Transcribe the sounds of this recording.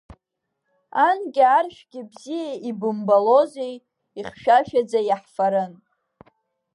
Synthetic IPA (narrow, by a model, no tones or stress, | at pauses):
anɡʲarʃᶣɡʲɪbzijaibɨmbalozej | iχʃᶣaʃᶣad͡zajaħfaɾɨn